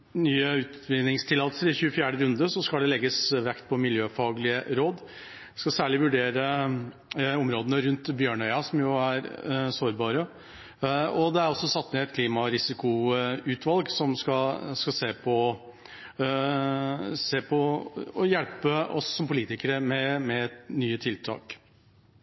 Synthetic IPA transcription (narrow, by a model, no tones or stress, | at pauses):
nyːəʉːt̪ʋɪnɪŋst̪ʰɪlɑːt̪əlsəɾɪçʉːəfjæːɖəɾʉnd̪əsɔskɑld̪ɛlɛɡəsʋɛkt̪̚pʰɔmɪljøːfɑːɡlɪəɾoːd̪ | skɑsæːɭɪʋʉɖeːɾə | ɔmɾoːd̪ənəɾʉnt̪bjøːɳœʏɑsɔmjʊæɾsoːɾbɑːɾə | ɔd̪ɛæɾɔsːɔsɑt̪ːnɛɛt̪kʰliːmɑɾɪsɪkʊʉːt̪ʰʋɑlɡsɔmskɑskɑseːpʰɔ | seːpʰɔɔjɛlpəɔsːɔmpʰʊliːt̪ɪkəɾəmɛmɛnyːət̪ʰɪlt̪ʰɑ̰ːk